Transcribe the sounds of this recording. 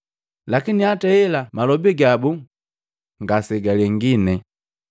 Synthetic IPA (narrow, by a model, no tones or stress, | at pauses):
lakiniatɛɛlamalɔbiɡabu | ŋɡasɛɡalɛŋɡinɛ